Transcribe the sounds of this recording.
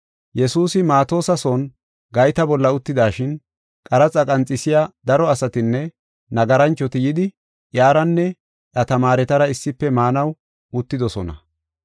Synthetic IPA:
jɛsuːsɪmaːt̪o̞ːsɐson | ɡɐjt̪ɐbɔlːɐʊt̪ːɪd̪aːʃɪn | kʼɐɾɐt͡sʼɐkʼɐnt͡sʼːɪsɪjad̪ɐɾɔɐsɐt̪ɪnːɛ | nɐɡɐɾɐnt͡ʃːɔt̪ɪjɪd̪ɪ | ʔjaːɾɐnːɛ | ʔɐt̪ɐmaːɾɛt̪ɐɾɐɪsːɪpːɛmaːnɐw | ʊt̪ːɪd̪ɔsɔnɐ̰

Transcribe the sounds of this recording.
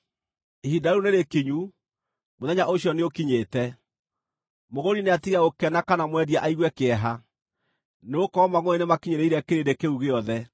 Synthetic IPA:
ehidaɾuneɾekiɲu | moðɛɲaʔoɕjɔneokiɲeːtɛ | moɣoɾineatiɣaɣokɛnakanamwɛɾjaʔaiɣwɛkeɛɦa | neokɔɔmaɣoenemakiɲeɾeiɾɛkeɾedekeuɣeɔðɛ

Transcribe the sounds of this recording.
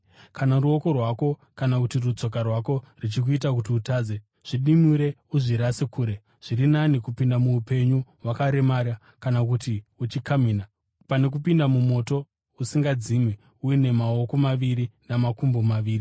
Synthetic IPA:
kanaɾuo̞ko̞rwako̞kanakutirut͡so̞k̬arwako̞rit͡ʃik̬uit̬ak̬ut̬iutaːd͡ze | ʐ̥iɗimuɾe̞ | uʐiɾasekuːɾe̞ | ʐ̥iɾinanikupindamuːpe̞ɲuwakaɾe̞maɾa | kanak̬utiut͡ʃikamiːna | pane̞k̬upindamumo̞to̞ | usiŋɡad͡zimwi | uine̞mao̞ko̞maʋiɾinamakumbomaʋiːri

